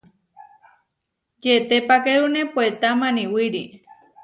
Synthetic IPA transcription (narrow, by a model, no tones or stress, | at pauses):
jet̪epakeɾunepoet̪amãnĩwiɾi